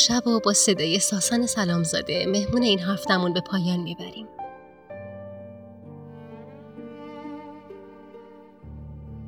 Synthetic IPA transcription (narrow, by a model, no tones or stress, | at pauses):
ʃæbobɒːse̞d̪ɒːjesɒːsɒːne̞sælɒːmzɒ̰ːd̪e̞me̞hmuːne̞iːnɦæft̪æmunbe̞pʰɒːjɒːnmibæɾim